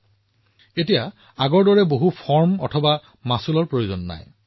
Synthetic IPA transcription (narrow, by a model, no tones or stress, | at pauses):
etija | aɡɔɹdɔɹɛboɦupʰɔɹmɔ̰tʰɔba | masulɔɹpɹojozonːa̰j